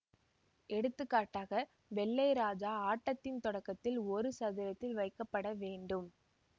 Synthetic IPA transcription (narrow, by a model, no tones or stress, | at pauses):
ʔɛɽɯt̪ːɯkːaːʈːaːɣɐ | ʋɛɭːɐɪɾaːd͡ʒaːaːʈːɐt̪ːɪnt̪ɔɽɐkːɐt̪ːɪlɔɾɯsɐðɪɾɐt̪ːɪlʋɐɪkːɐpːɐɽɐʋeːɳɖɯm